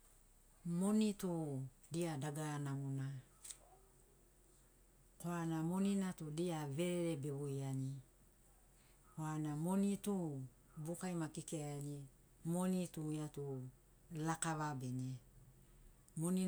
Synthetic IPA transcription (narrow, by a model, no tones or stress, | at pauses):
monitu | diadaɡanamuna | koanamoninatudiaβe̞ɾeɾebeβujani | koanamonitu | bukajmakikeaani | monitujatu | lakaβabene | moni